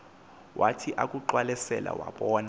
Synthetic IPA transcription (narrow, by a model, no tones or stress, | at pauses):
wʔatʰiʔak̬ʼuǃwalɛsɛla̰waɓɔːna